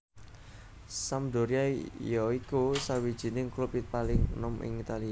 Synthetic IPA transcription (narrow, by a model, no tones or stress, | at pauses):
samd̪o̤ɾiajɔikusawid̥ʒ̥i̤nɪŋklupipalɪŋnɔmʔɪ̰ŋit̪alia